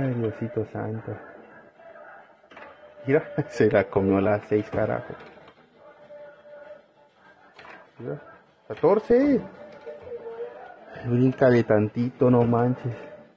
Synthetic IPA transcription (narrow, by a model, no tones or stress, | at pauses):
ad̪josit̪osa̰nt̪o | iɾaselakomjolasejskaɾa̰xo̰s | iɾa | kat̪oɾse | bɾiŋkad̪et̪ant̪it̪onomant͡ʃes